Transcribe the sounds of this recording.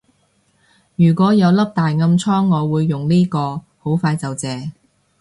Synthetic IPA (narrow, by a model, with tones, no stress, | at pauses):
jyː˨˩kʷɔː˨˥jɐ˨˧wlɐ˥p̚t̪aː˨jŋɐ˧mt͡sʰɔː˥ŋːɔː˨˧wuː˨˧jːʊ˨˩ŋliː˥kɔː˧ | ho˨˥wfaː˧jt͡sɐ˨wt͡sɛː˨˧